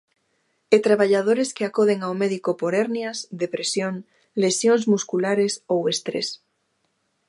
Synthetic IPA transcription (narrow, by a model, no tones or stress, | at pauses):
et̪ɾaβaʎað̞oɾeskeakoð̞eŋawmeðikopoɾeɾnjazðepɾesjoŋ | lesjonzmuskulaɾesowest̪ɾḛs